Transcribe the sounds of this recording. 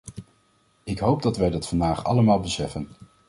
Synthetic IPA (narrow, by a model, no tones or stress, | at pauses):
ɪkɦowb̚dɑtʋɛjdɑtfɑndaːχɑ̰ləmaːlˠbəsɛfən